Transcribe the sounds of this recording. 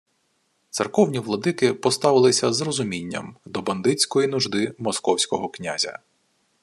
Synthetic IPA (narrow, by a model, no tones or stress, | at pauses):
t̪sɪrkɔwnʲiʋlˠɔd̪ɪkɪpɔst̪ɑʋɪlˠɪsʲɐzrɔzʊmʲinʲːɐ̰md̪ɔbɐnd̪ɪt͡sʲkɔjinʊʒd̪ɪmɔskɔwsʲkɔɦɔknʲa̰zʲɐ̰